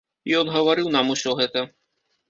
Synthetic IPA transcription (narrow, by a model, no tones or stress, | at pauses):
jɔnɣɐvaɾɨwnamusʲɔɣɛt̪ɐ